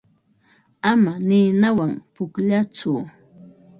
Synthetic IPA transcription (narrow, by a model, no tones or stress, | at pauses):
amanɪnawaŋpʊkʎat͡sʊ